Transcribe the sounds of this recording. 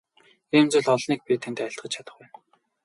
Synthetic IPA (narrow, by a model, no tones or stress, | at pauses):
iːmt͡sʊ̆ɮɔɮniːk̚pʲit̪ʰent̪æɪ̆ɬt̪ɢə̆t͡ɕʰat̪ə̥̆χpæːn